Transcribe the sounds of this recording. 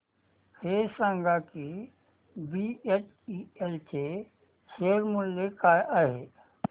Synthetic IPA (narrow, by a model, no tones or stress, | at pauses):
kʰeːsə̃ŋɡaki | biet͡ʃ | ielt͡ʃʰe | seɾmulːekaaɦe